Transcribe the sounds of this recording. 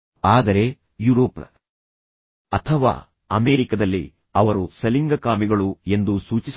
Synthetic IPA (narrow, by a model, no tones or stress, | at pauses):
aːd̪ɐɾe̞ | juɾoːp | ɐt̪ʰɐʋa̰ː | ɐmeːɾikɐd̪ɐlːḭ | ɐʋɐɾusɐliŋɡɐkaːmiɡɐɭue̞nd̪usuːt͡ʃis